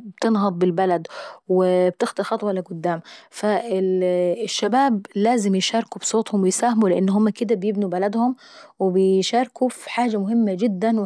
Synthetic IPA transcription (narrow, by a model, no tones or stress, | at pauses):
bt̪ɪnɦɑd̪ˤbɪlbalad̪wɪb̚t̪ɪxt̪ɑxɑt̪ˤwɑalːaɡʊd̪ːaːmfaɪʃːabaːblaːzɪmjɪʃɑːɾˤkubsˤoːt̪ˤhʊmwɪjsaːhamulɪʔɪnːɦʊmːakɪd̪abjɪbnubalad̪hʊm | wɪbɪjʃɑːɾˤkufi̥ħaːd͡ʒamʊɦɪmːad͡ʒɪd̪ːanw